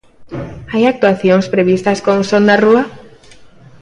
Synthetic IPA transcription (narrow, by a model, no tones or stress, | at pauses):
ajak̚t̪uaθjoŋspɾeβ̞ist̪askoŋsond̪arua